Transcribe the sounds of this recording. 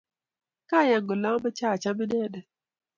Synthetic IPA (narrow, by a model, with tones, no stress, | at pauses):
ka˦˨ja˨ŋɡo˨la˦bɛ˦t͡ʃa˦˨t͡ʃa˦bi˦dɛ˦dɛ˨